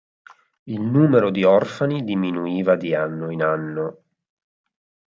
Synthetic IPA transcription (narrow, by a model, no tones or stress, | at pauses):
ilnuːmeɾod̪iɔrfanid̪iminuiːvad̪ianːoinanːo